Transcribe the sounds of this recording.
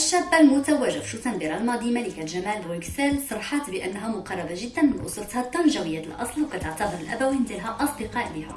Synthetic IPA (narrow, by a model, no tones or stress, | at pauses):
ʔəʃːæbːalmʊt̪æwæʒæfʃut̪ænbiɾˤɑlmɑd̪ˤimælikælʒæmælbksælsˤɑɾˤħɑt̪bəʔənːɦæmʊqɑrˤːɑbaʒəd̪ːænmənʔʊ̰sˤɾˤt̪hɑt̪ˤːɑnʒæwəjːæt̪əlʔɑ̰sˤlwkæt̪aʕt̪ɑbəd̪əlʔæ̰bæwint̪ilɦæʔɑsˤd̪əqɑʔbihæ